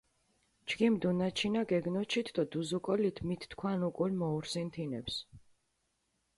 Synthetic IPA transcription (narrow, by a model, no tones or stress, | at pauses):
d͡ʒɡimd̪unat͡ʃʰinaɡɛɡnɔt͡ʃʰit̪ʰd̪ɔd̪uzukʼɔlit̪ʰmit̪ʰt̪kʰwanukʼulmɔuɾsint̪ʰinɛ̰ps